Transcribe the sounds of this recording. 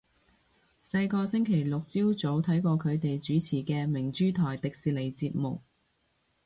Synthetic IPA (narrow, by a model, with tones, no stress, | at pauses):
sɐ˧jkɔː˧sɪ˥ŋkʰe˨˩jlʊ˨k̚t͡siː˥wt͡so˨˥wt̪ʰɐ˨˥jkɔː˧kʰɵ˨˧ɥt̪e˨jt͡ʃyː˨˥t͡sʰiː˨˩kɛː˧mɪ˨˩ŋt͡ʃyː˥t̪ʰɔː˨˩jt̪ɪ˨k̚siː˨le˨˩jt͡siː˧p̚mʊ˨k̚